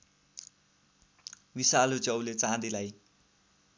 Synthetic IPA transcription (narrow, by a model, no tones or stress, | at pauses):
bisalot͡sʌwlet͡sãd̪ilaj